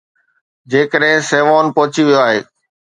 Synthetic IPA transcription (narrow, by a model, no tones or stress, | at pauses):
d͡ʑeːkəɗɦɪ̃seːʋaːnpɔɦʊt͡ɕiʋijoaːɦeː